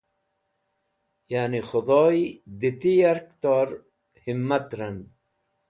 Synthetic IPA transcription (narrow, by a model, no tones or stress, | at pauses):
janixʊd̪ˤɔːjd̪it̪ijaɾkt̪oːɾ | himːat̪ɾand̪